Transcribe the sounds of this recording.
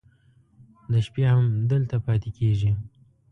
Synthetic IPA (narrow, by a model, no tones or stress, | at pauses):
d̪əʃpjehamd̪əlt̪apɑt̪ekeʒi